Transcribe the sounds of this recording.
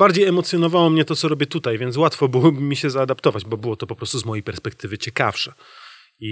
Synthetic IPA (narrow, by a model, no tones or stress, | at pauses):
baɾd͡ʑejɛmɔt̪sʲjɔnɔvawɔmɲɛt̪ɔt̪sɔɾɔbʲjɛt̪ut̪ajvʲjɛnt̪s̬wat̪fɔbɘwɔbmʲːiɕɛzaːd̪apt̪ɔvad͡ʑbɔbɘwɔt̪ɔpɔpɾɔst̪uzmɔjejpɛɾspɛk̚t̪ɘvɘt͡ɕɛkafʂɛ | i